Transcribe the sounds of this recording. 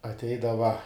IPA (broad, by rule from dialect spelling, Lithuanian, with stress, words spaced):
ɐtʲˈɛɪdɐʋɐ